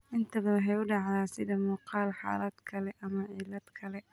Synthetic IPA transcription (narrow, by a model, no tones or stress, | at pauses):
ʔɪnt̪ʰɐβɐwɦɛjʊɖɑʕðaːsɪðɐmuːqɑːlħa̰ːlɐd̪̥kʰɐlɛʔɐmɐʕiːlɐd̪kʰɐlɛ